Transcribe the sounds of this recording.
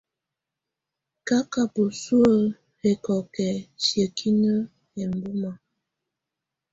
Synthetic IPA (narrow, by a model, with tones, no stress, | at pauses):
ka˦ka˨pu˨su˦ə˦˨ | he˨kɔ˨kɛ˨sjə˨kʰi˦nə˦ | jɛ˨m̩˨bu˦ma˨